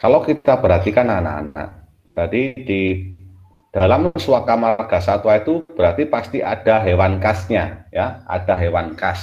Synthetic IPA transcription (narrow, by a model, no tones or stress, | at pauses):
kalokit̪ab̥əɾɦat̪ikanana̰ːna̰ʔ | d̪̥adid̥i | d̥alamsuwakamalɡ̥a̤sat̪uwait̪ub̥əɾart̪ipast̪iʔad̥a̤ɦewankasɲajaʔa̰d̥aɦewankas